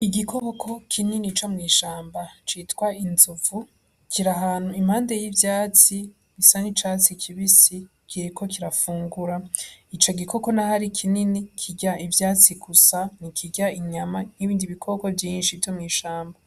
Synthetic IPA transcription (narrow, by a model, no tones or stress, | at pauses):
iɡikʰoβokʰo̞kʰininit͡ʃomŋiːʃaːmbat͡ʃiːtwainzuvu | kʰiɾaɦaːn̥uimhaːnde̞jivjaːt͡si | βisanit͡ʃaːt͡sikʰiβisi | kʰiɾiko̞kiɾafuːŋɡuɾait͡ʃo̞ɡikʰo̞ko̞nahaɾikʰininikʰiɟaivjaːt͡siɡusanikʰiɟaiɲamaniβiːndiβikʰoβokovjiːnʃivjomŋiːʃaːmba